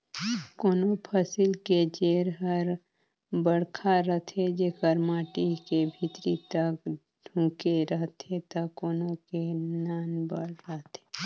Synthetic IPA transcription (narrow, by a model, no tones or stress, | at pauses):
koːnopʰəsɪlked͡ʒeːɾɦəɾ | bəɽkʰaɾət̪ʰed͡ʒekəɾmaːʈikebʱɪt̪ɾit̪ək̚ | ɖʱũːkeɾəɦt̪ʰet̪ɐkoːnõkenaːnbə̰ɽɾəɦt̪ʰe̥